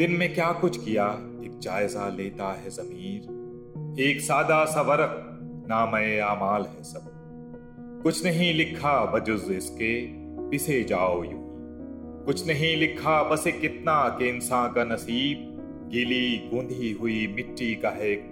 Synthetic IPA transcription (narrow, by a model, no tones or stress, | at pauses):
d̪̥ɪnmẽkjaːkʊt͡ʃʰkija | eːk̚d͡ʒaːɪzaleːt̪aɦɛzɐmiːɾ | eːksaːd̪asɐʋɐɾək̚ | naːmɐeaːmaːlɦɛsɐb | kʊt͡ʃʰnɐɦĩlɪkʰabɐd͡ʒʊzɪske | pɪsed͡ʒaːoːjui | kʊt͡ʃʰnɐɦĩlɪkʰːabɐsekɪt̪nakeɪnsãːnkanɐsiːb̚ | ɡɪliɡũːnd̪ʱiɦʊimɪʈːikaɦek̚